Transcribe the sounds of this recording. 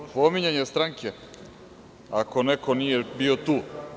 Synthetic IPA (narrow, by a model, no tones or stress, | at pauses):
pomiɲeɲest̪ɾaŋkʰe | ako̞nekonijebiot̪uː